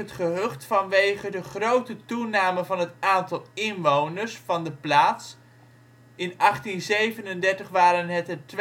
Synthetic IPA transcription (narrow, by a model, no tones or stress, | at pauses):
ətχəɦøχtfɑnʋejχədəχrowtətunaːməvɑnɦətaːntɑlˠɪnʋownəɹsfɑndəplaːts | ɪnɑχtinzejvənəndɛɹtəχʋaːɾənɦətət